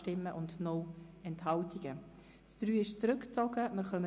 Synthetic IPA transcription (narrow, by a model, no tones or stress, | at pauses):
tɪmːəʔʊndnɔɛnthɑltiɡ̥ə | td̥ɾyːɪʃt͡sɾʏkt͡sɔɡəmɪɾχœmə